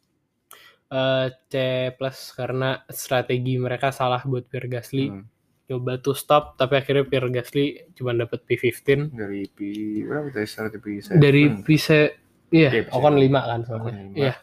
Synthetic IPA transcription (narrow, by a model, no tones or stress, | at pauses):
ʔət͡ʃepləskaɾənast̪ɾat̪eɡiməɾekasalahbuat̪̚piərɡasli | t͡ʃobat̪ust̪ɔp̚t̪apiakirɲapiərɡaslit͡ʃumandapət̪̚pifift̪ɪndaɾipibəɾapat̪ast̪ɾat̪episɛdaɾipise | ijaɔkɔnlimakansəatɲamja